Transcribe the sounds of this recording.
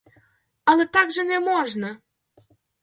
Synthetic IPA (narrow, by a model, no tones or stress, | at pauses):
ɑlet̪ɑkʒənemoʒnɤ